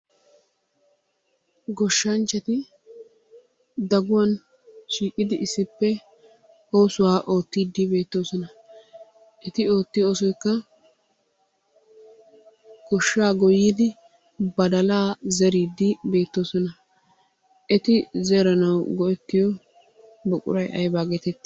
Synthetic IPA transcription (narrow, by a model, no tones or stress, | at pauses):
ɡɔʃːɐnt͡ʃːɐt̪ɪ | d̪ɐɡʊwɐn | ʃiːkʼɪd̪ɪɪsːɪpːɛ | o̞ːsʊwaːʔo̞ːt̪ːiːd̪ːɪbe̞ːt̪ːo̞ːsɔnɐ | ʔɛt̪ɪo̞ːt̪ːɪjo̞ːsɔjkːɐ | kɔʃːaːɡɔjiːd̪ɪ | bɐd̪ɐlaːzɛɾiːd̪ːɪbe̞ːt̪ːo̞ːsɔnɐ | ʔɛt̪ɪzɛɾɐnɐwɡɔʔɛt̪ːɪjɔ | bɔkʼʊ̰ɾɐjʔɐ̰jbaːɡeːt̪ɛt̪ː